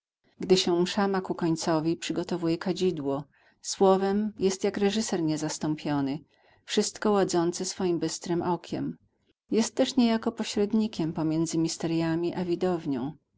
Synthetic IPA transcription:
ɡd̪ɘɕɛmʂamakukɔɲt̪sɔvʲipʂɘɡɔt̪ɔvujɛkad͡ʑid̪wɔ | swɔvɛmjɛst̪jakɾɛʐɘsɛɾɲɛzast̪ɔmpʲjɔnɘ | fʂɘst̪kɔwad̪zɔnt̪sɛsfɔjimbɘst̪ɾɘmʔɔkʲɛ̰m | jɛst̪ːɛʂɲejakɔpɔɕɾɛd̪ɲikʲɛmpɔmʲjɛnd̪zɘmʲist̪ɛɾjamʲiʔavʲid̪ɔvɲɔ̰̃w̃

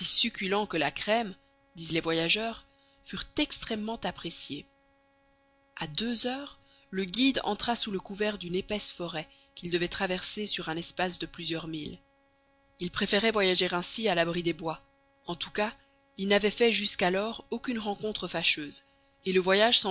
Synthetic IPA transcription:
sisykʲylɑ̃kəlakχɛm | d̪izlɛvwajaʒœːʁ | fyʁt̪ɛkst̪χɛmːɑ̃t̪apχesje | ad̪øzœːʁ | ləɡʲid̪ɑ̰̃t̪χasuləkuvɛʁd̪ynepɛsfɔʁɛ | kʲild̪əvɛt̪χavɛʁsesyʁɛ̃nɛspas̬d̪əplyzjœʁmil | ilpχefeʁɛvwajaʒeʁɛ̃sialabʁid̪ebwa | ɑ̃t̪u̥ka | ilnavɛfɛʒyskalɔʁokʲynʁɑ̃kɔ̃t̪χəfaʃøːz | eləvwajaʒsɑ̃

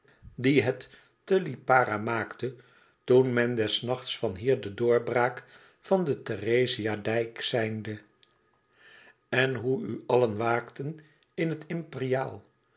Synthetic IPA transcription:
diɦɛtː | əlipaːɾamaːktə | tunmɛndɛsnɑχtsfɑnɦiːɹdədʊːɹbraːk | fɑndətəreziadɛjksɛjndə | ɛnɦuyɑlənʋaːktən | ɪnɦətɪmperijaːlˠ

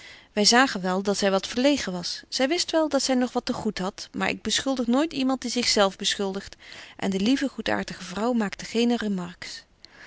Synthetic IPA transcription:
ʋɛjzaːχənʋɛlˠdɑtsɛjʋɑtfəɹlejχəʋɑsz̥ɛjʋɪstʋɛlˠdɑtsɛjnɔχʋɑtəχutɦɑtmaːɹʔɪ̰ɡ̚bəsχɵlˠdəχnoːjtimɑnt̚dizɪχsɛlˠvbəsχɵlˠdəχtʔɛ̰ndəlivəχuta̰ːɹtəχəvrʌwmaːktəχejnərəmɑɹks

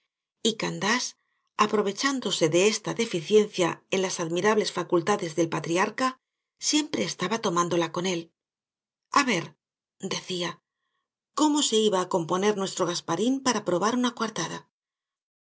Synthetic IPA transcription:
ikand̪as | apɾo̞β̞e̞t͡ʃand̪o̞se̞ðe̞e̞st̪aðe̞fiθje̞n̟θjae̞nlasaðmiɾaβle̞sfakult̪aðe̞zðe̞lpat̪ɾiaɾka | sje̞mpɾe̞ːst̪aβat̪o̞mãnd̪o̞lako̞ne̞l | aβe̞ɾ | d̪e̞θia | ko̞mo̞se̞iβaːko̞mpo̞ne̞ɾnwe̞st̪ɾo̞ɣ̞aspaɾimpaɾapɾo̞βaɾunakwaɾt̪aða

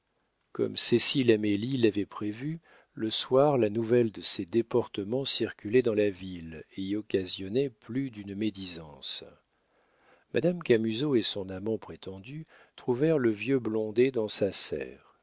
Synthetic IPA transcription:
kɔ̰msesilamelilavɛpχevy | ləswaʁlanuvɛld̪əsɛd̪epɔʁt̪əmɑ̃siʁkʲylɛd̪ɑ̃lavileɔkʲazjɔnɛplyd̪ynmed̪izɑ̃s | mʔa̰d̪amkamyzoesɔ̃namɑ̃pχet̪ɑ̃d̪y | t̪χuvɛʁləvjøblɔ̃d̪ed̪ɑ̃sasɛ̰ːʁ

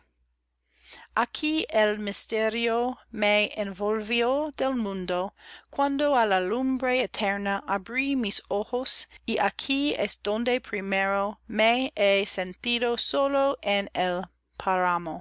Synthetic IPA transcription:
ʔakʰielmist̪eɾiomeenvolviod̪elmũnd̪okwãnd̪oalalumbɾeet̪ʰɛɾnaʔabɾimisoxosiʔakʰiɛ̰sd̪̥õnd̪epʰɾimeɾomeesent̪idosoloʔenel | pʰaɾamo

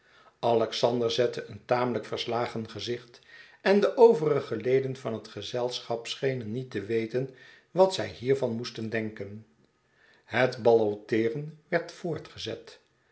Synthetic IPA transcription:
ɑlɛksɑndəɹzɛtəʔəntaːmələkfəɹslaːχənχəzɪχt | ɛndəʔowvərəχəlejdənvɑnɦətχəzɛlˠsχɑpsχejnənːitəʋejtən | ʋɑtsɛjɦiːɹvɑnmustəndɛŋkən | hətbɑlowtɪːrənʋɛɹtfʊːɹtχəzɛ̰t

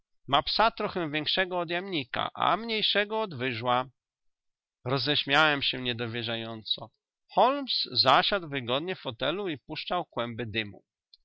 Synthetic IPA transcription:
mapsat̪ɾɔxɛw̃vʲjɛŋkʂɛɡɔːd̪jamɲika̰ʔa̰mɲejʂɛɡɔːd̪vɘʐwa | ɾɔzɛɕmʲjawɛmɕɛɲɛd̪ɔvʲjɛʐajɔnt̪sɔ | xɔlmszaɕad̪wvɘɡɔd̪ɲɛfxɔt̪ɛluipuʂt͡ʂawkwɛmbɘd̪ɘmṵ

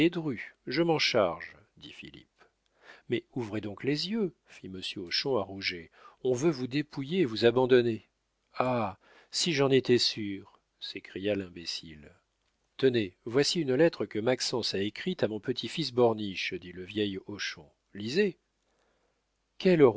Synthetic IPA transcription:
ed̪ʁyʒəmɑ̃ʃaʁʒ | d̪ḭfḭlḭp̚ | mɛuvʁed̪ɔ̃klezjø | fiməsjøoʃɔ̃aʁuʒeɔ̃vøvud̪epujeːvuzabɑ̃d̪ɔne | a | siʒɑ̃net̪ɛsyʁ | sekχijalɛ̃besil | t̪ənevwasiynlɛt̪χəkəmaksɑ̃saekχit̪amɔ̃pət̪ʰifis̬bɔʁniʃd̪iləvjɛjoʃɔ̰̃ | lize | kʲʰɛløʁ

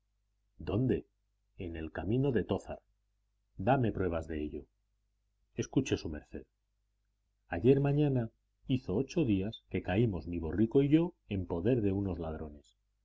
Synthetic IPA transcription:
d̪o̞nd̪e̞ | ene̞lkamĩno̞ðe̞t̪o̞θa̰ɾ | d̪ame̞pɾwe̞β̞azðe̞eʎo̞ | e̞skut͡ʃe̞sume̞ɾθe̞ð | aʝe̞ɾmãɲãna | iθo̞ot͡ʃo̞ðiaske̞kaimo̞zmiβ̞o̞riko̞iʝo̞e̞mpo̞ðe̞ɾðe̞uno̞zlað̞ɾo̞ne̞s

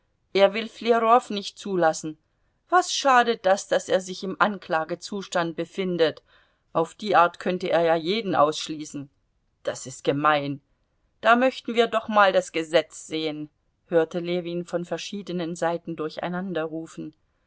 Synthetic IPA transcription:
ʔeːɐvɪlfleʁɔfnɪçt̚t͡suːlasn̩ | v̥asʃaːdət̚d̥asd̥aseːɐzɪçɪmʔankl̥aːɡət͡suːʃtant̚b̥əfɪndət | ʔaʊfd̥iːʔaɐtkʰœntəʔeːɐjaːjeːdn̩ʔa̰ʊsʃliːsn̩ | d̥asɪst̚ɡ̥əmaɪn | d̥aːmœçtn̩viːɐdɔχmaːldasɡ̥əzɛt͡sz̥eːən | høːɐtəleːviːnfɔnfɛɐʃiːdənənzaɪtn̩dʊɐça̰ɪnandɐʁuːfn̩

